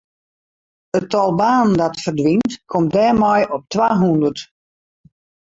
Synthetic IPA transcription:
ətɔlˠbaːndɔtfərdʋintkʰɔmdɛːrmɔjɔp̚tʋaːɦundərt

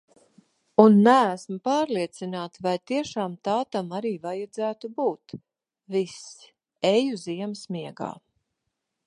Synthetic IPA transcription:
unːæːsmupaːɾliɛt̪sinaːt̪vajt̪iɛʃaːmt̪aːt̪amaɾiːvajad̪zæːt̪ubuːt̪ | vis | ɛjuziɛmsmʲiɛɡa̰ː

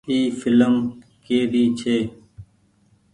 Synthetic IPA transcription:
iːfɪləmkeːɾiːt͡ʃʰeː

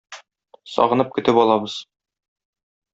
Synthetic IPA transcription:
sɒ̰ʁɤ̆nɤp̚kɵ̆t̪ɘpɒlˠɑbɤz̥

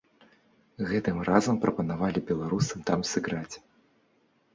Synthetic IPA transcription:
ɣɛt̪ɨmrazɐmpɾʔɐpɐnavalʲibʲɛlˠaɾusɨmt̪amsɨɣɾat͡sʲ

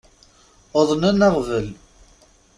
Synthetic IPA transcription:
oðˤnənəʁvəl

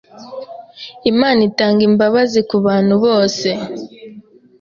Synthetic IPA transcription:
imaːnitaːŋɡimbaβazikuβaːn̥huβo̞ːse

